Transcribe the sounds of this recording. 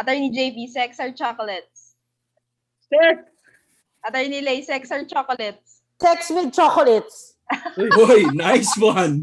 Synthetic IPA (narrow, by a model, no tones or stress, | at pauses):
ʔɐt̪ɛɹnid͡ʒejbisɛksɐɹt͡ʃakɔlɛt̪̚s | sɛks | ʔɐt̪ɛɹnilejsɛksɐɹt͡ʃokɔlɛt̪̚s | sɛkswɪd̪̚t͡ʃokɔlɛt̪s | ojojnajswɐn